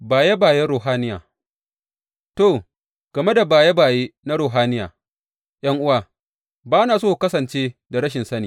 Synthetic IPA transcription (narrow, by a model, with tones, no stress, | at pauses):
baː˨ja˦baː˨jɛ˦ɽoː˨ɦaː˦nɪ˦ja̰ː˨ | toː˦˨ | ɡ̥ɐ˨me˦da˨baː˨ja˦baː˨je˦na˦ɽoː˨ɦaː˦nɪ˦ja̰ː˨ | j̰ʔɐ˦ŋʔʊ˦wa˨ | baː˦naː˨soː˦˨kɐ˦sɐ˨nt͡ʃeː˦da˨ɾɐ˦ʃ̬ɪ˨nsɐ˦niː˨